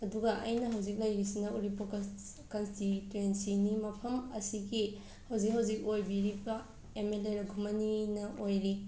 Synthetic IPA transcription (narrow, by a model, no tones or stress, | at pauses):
ɐduɡɐʔɐ̰jnɐɦɐwzik̚lɐjɾisinɐuɾipok | kɐnstituensinimɐpʰɐmɐsiɡi | hɐwzik̚ɦɐwzik̚ojbiɾibɐ | emeleɾɐɡʱumɐninɐʔojɾi